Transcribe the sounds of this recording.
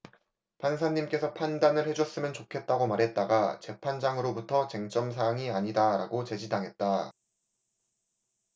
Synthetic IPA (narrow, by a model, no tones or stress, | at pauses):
pansʰaɲːimk͈e̞sʰʌpʰandanɯɭhe̞d͡ʑʌs͈ɯmjʌnt͡ɕokʰe̞t̚t͈aɡomaɾɦe̞t̚t͈aɡat͡ɕe̞pʰand͡ʑaŋɯɾobutʰʌt͡ɕe̞ŋt͡ɕ͈ʌms̬ʰaŋiaɲidaɾaɡot͡ɕe̞d͡ʑidaŋɦe̞t̚t͈a